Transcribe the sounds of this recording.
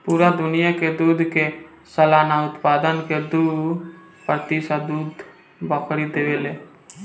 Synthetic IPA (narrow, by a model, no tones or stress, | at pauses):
puːɾad̪ʊnɪjaked̪uːd̪ʱke | səlaːnaʊt̪paːd̪ənked̪uː | pɾət̪isad̪uːd̪ | bəkʰɽid̪eːʋeleː